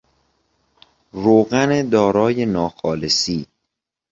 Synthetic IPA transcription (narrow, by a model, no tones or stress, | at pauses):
ɾoːɢæned̪ɒːɾɒːjenɒːxɒːlesiː